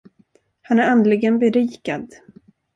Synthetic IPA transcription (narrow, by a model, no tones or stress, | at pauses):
hanæɾand̪lɪɡənbɛɾiːkad̪